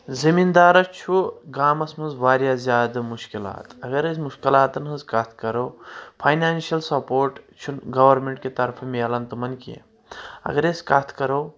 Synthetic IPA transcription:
zimind̪aːɾɐt͡ʃʰuɡaːmɐsmɐnzʋaːɾjaːzʲjaːd̪ɨmuʃkila̰ːt̪ɐɡɐɾesmuʃkilaːt̪ɐnɦɨnzkɐt̪ʰkɐɾoːpʰɐːjnaːnʃiɐlsɐpoːɾʈt͡ʃʰunɡɐʋɐɾmeɳʈket̪ɐɾfʰɐmeːlɐnt̪umɐnkḭ | ɐ̰ɡɐɾesʲkɐt̪ʰkɐɾoː

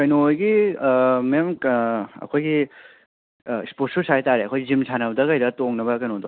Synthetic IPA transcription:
kɐjnojɡi | mɐjamkɐ̰kʰojɡi | sposusajtaɾeɐkʰojɡizimsʰanɐbdɐkɐjdɐtoŋnɐbɐkɐjnodo̰

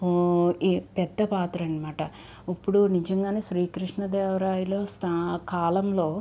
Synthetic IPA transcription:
ipɛd̪ːɐpaːt̪ɾɐɳimaːʈɐ | ɐpːuɽunid͡ʒɐŋɡaːneːʃɾiːkɾiʂɳɐd̪eːʋɐɾaːjulo̞ːst̪ʰakaːlɐmlo̞ː

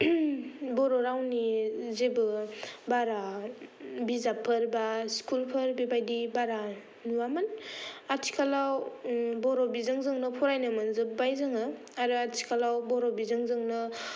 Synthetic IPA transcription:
bɔɾoɾawnizebɯbaɾa | bizapʰɯɾbaskulpʰɯɾbibajdibaɾa | nuwamɯnatʰi̥kʰalawbɔɾɔbizɯŋzɯŋnɯpʰɔɾajnɯmɯnzɯp̚bajzɯŋɯ | aɾɯatʰi̥kʰalawbɔɾɔbizɯŋzɯŋnɯ

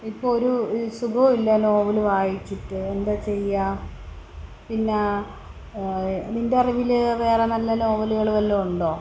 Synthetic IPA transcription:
ipːoɭoɾusuɡoːilːɐnoːʋɐluʋaːjit͡ɕːiʈːɨend̪ɐt͡ɕe̞jːa | pinːe | nindeɐriʋilʋe̞ːrɐnɐlːɐno̞ːʋɐluɣɐɭuʋɐlːɐuɳɖo̞ː

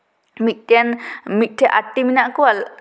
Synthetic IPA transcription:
mit̪̚ˀʈɛanmit̪̚ˀʈʰɛʔaʈːiminaʔkɔwal

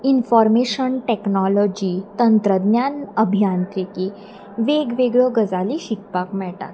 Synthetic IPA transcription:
infɔɾmeɕənʈeknɔlɔd͡ʑit̪ənt̪ɾəd̪njanəbʱijant̪ɾiki | ʋeɡʋeɡɭɔɡəd͡zaliɕikpakmɛɭʈa̰t̪

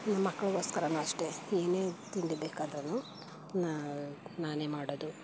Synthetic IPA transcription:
nɐmːɐkːɐɭɐɡoːskɐɾɐnuɐʂʈe̞eːneːt̪iɳd̪ibeːkaːd̪ɾɐnːu | nanaːneːmaːɽod̪u

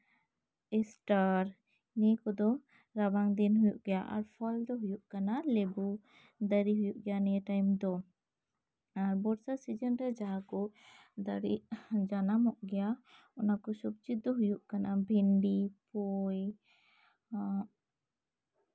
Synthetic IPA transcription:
ɛsʈaɾ | nɛkɔd̪ɔ | ɾabaŋd̪ɛnɦujuʔɡɛjaʔa̰ɾpʰɔld̪ɔɦujuʔkanalɛbu | d̪əɾiɦujuʔɡɛjanɛɛʈajmd̪ɔ | aɾbɔɾsasid͡ʒənɾɛd͡ʒaɦakɔ | d̪aɽḭʔd͡ʒanamɔʔɡɛja | ɔnakɔsubt͡ʃit̪̚d̪ɔɦujuʔkanʔabʱɛnɖipɔj

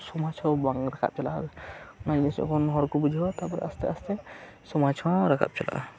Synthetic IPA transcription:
sɔmat͡ʃʰɔbaŋɾakʰa̰p̚t͡ʃala | nad͡ʒeskʰɔnɦɔɾkobud͡ʒʱabat̪apɔɾɛ̰ʔɐst̪ɛ̰ɐst̪ɛ | sɔmat͡ʃʰɔaɾakʰa̰p̚t͡ʃala̰ʔ

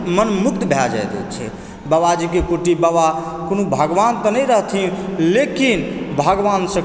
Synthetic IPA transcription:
mənmuk̚t̪bʱɛd͡ʒa̰jt̪ɛ̰t͡ʃʰɛ̰ | bəbad͡ʒikekoʈibəʋa | konobʱəɡʋant̪ənəjɾəɦt̪ʰilekinbʱəɡʋansə̃

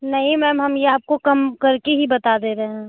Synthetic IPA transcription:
nɐɦĩmɛːmɦɐmjeaːp̚kokɐmkɐɾkeɦibɐt̪ad̪eɾɐɦẽː

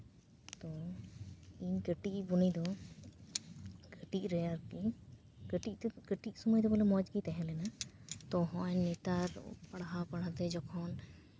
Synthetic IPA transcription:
t̪ɔ | iɲɡəʈiʔbunid̪ɔ | ɡəʈic̚ˀɾɛjaɾki | ɡəʈit̪ɡ̥əʈic̚sɔməjd̪ɔbɔlɛmɔd͡ʒɡit̪ɛɦɛ̃lɛnat̪ɔɦɔ̃ʔɛɲːɛt̪aɾpaɽaɦapaɽat̪ɛd͡ʒɔkʰɔn

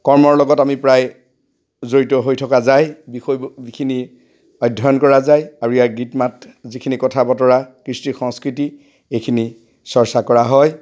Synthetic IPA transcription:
kɔɹmɔɹlɔɡɔtamipɹaj | zoɹitɔɦojtʰɔkazajbixɔjikʰini | ɔjdʱːɔjɔnkɔɹazajaɹuijaɡitmatzikʰinikɔtʰabɔtɔɹakɹistixɔŋskɹiti | ejkʰini | sɔɹsakɔɹaɦɔj

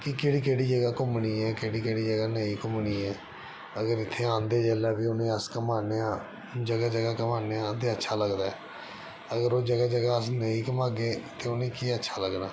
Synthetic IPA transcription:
kɪkeːɽiːkeːɽiːd͡ʒəɡaːkʊmɳiːɛːkeːɽiːkeːɽiːd͡ʒəɡaːnəĩːkʊmniːɛː | əɡəɾɪt̪ʰːeːãːnd̪eːd͡ʒɛːlaːbiːʊnẽːəskəmaːneːãː | d͡ʒəɡaːd͡ʒəɡaːkəmaːneːãːt̪eːətːʃʰaːləɡd̪aːɛː | əɡəɾoːd͡ʒəɡaːd͡ʒəɡaːəsnəĩːkəmaːɡeːt̪eːʊnẽːkiːətːʃʰaːləɡnaː

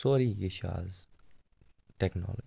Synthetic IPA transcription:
oːɾiɡɪʃa̰ːz | ʈɛknɔ̰l

